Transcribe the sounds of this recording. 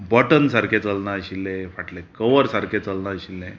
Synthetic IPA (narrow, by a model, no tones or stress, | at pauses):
bəʈənsaɾket͡səlnaɕilːẽfaʈlekəʋəɾsaɾkʰet͡səlnaɕilːẽ